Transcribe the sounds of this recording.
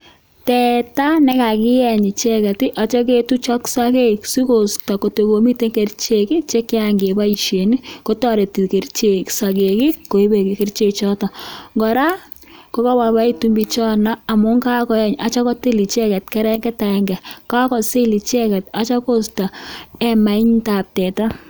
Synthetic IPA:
tɛ˨ta˦nɛ˦ka˨kɪ˦jɛ˨ɲi˨t͡ʃɛ˦kɛ˨ti˦ʔɔ˨t͡ʃɔ˦k̬e˦tu˦t͡ʃɔ˦ksa˦ke˦ksi˦ko˨sta˨ko˨te˨ko˨mi˦te˦ŋke˨rt͡ʃe˨ki˦t͡ʃe˦kɪ˦aŋɡe˨ba˦i˨ʃe˨ni˦ko˦tɔ˦˨ɾe˨ti˨ke˨rt͡ʃe˨ksa˨ke˨kɪ˦ko˨i˦be˨ki˨ke˦rt͡ʃe˨t͡ʃɔ˦tɔ˨ŋɡɔ˨ɾa˦ | ko˨˦kɔ˦wa˨ba˦i˦tumbit͡ʃɔ˦na˦a˨mʊ˦ŋka˦kɔ˨˦jɛ˦ɲa˨t͡ʃɔ˦kɔ˦ti˦li˨t͡ʃɛ˦kɛ˨tkɛ˦ɾɛ˦ŋɡɛ˦ta˨ɛ˦ŋɡɛ˨ka˦kɔ˨si˦li˨t͡ʃɛ˦kɛ˨ta˨t͡ʃɔ˦ko˦sta˨ɛ˦ma˨ɪ˦ɲta˨p̚tɛ˨ta˦

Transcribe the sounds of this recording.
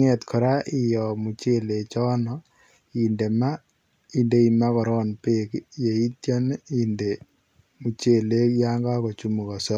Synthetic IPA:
ŋɛ˨t̪kʰɔ˨ɾa˦ʔɪ˨jɔ˨mu˨t͡ʃe˦le˨t͡ʃɔ˦nɔ | i˨nde˨ma˦ | i˨nde˦i˨ma˦kɔ˨ɾɔ˦npe˦kje˨i˦t̪jɔ˦ninde˨ | mu˨t͡ʃe˦˨le˦kja˦ŋɡa˦kɔ˨t͡ʃu˦mu˨kɔ˨sɔ˦

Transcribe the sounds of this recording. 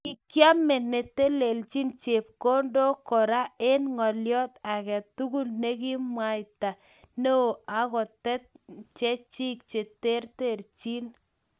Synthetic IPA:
ki˨kja˦me˨ne˨te˦le˨lt͡ʃi˦nt͡ʃe˨p̚ko˦ndo˦kɔ˨ɾa˦e˦nŋɔ˨ljɔ˦ta˨kɛ˨tu˦ku˦lne˦ki˦mwa˨jta˨ | ne˦o˨a˨kɔ˨tɛ˦t̚t͡ʃɛ˦t͡ʃi˦k̚t͡ʃe˨te˦rte˦˨ɾt͡ʃi˦n

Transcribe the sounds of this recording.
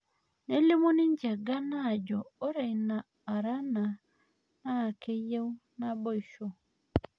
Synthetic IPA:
ne˦li˦mo˦nɪ˦ɲd͡ʒa˨ɡa˦na˦˨d͡ʒɔː˨˦ɾe˨i˨naː˨ɾa˦na˨ | na˦˨ke˦je˦u˦na˦bɔ˦i˨ʃɔ˦˨

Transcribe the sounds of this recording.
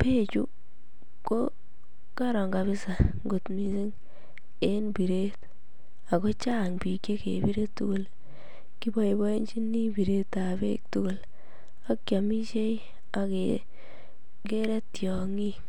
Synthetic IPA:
pe˦t͡ʃu˦ | ko˦ | ka˦ɾɔ˨ŋɡa˨βɪ˦sa˨ŋɡo˨tmi˨si˦ŋ | e˦nbi˨ɾe˦t | a˨ko˦t͡ʃa˦˨ŋpi˨kje˦kḛ˨bi˦ɾe˦tːu˦ko˦l | ki˦bɔ˦i˨bɔ˦e˦nt͡ʃi˦ni˦bi˨ɾe˦ta˨bḛk̚tu˦ko˨l | a˦kja˨mi˦t͡ʃe˦i˦ | a˨ke˨ | ke˦ɾe˦tjɔ˨ŋi˦

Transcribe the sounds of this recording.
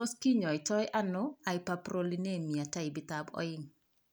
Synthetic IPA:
o˦ski˦ɲɔ˨ɪ˨t͡ʃɔ˦jʔa˦nʊ˦a˨ɪ˦papɾo˦li˦ne˦mi˨a˨ta˦ɪ˨bɪ˦tabɔ̰˦ɪŋ

